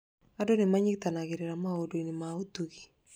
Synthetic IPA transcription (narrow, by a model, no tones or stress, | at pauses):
adonɪmaɲɪktanaɡɪɾeɾamaodoinɪmaotuki̥